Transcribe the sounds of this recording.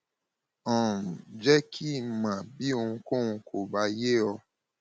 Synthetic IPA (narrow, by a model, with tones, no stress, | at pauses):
ɔ̃˨d͡ʒɛ˦kʰi˦˨mã˨bi˨˦o˧ũ˧kõ˦˨hũ˧kʰo˨ba˨˧˦je˦ɔ˧